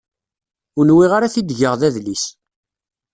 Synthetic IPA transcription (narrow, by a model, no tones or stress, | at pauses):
ʊnwiʁaɾaθid̪ʝəʁðæðlis